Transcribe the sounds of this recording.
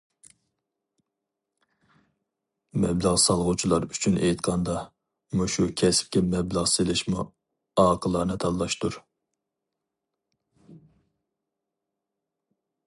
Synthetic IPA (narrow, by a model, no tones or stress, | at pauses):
mɛbləʁsɑlˠʁut͡ʃʰilˠɑɾyt͡ʃʰynʔḛjt̪̚qʰɑnd̪ɑ | muʃukʲʰɛsp̚kʲɛmɛbləʁselɪʃmṵ | ɑːqʰəlˠɑnɨt̪ʰɑllˠɑʃt̪uɾ